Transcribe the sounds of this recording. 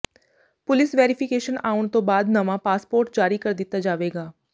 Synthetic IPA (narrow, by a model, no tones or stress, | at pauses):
pʊlɪsʋɛːɾɪpʰɪkeːʃənaːʊɳ̃t̪õːbaːd̪nəʋãːpaːspoːɾʈ̚d͡ʒaːɾiːkəɾd̪ɪt̪ːaːd͡ʒaːʋeːɡaː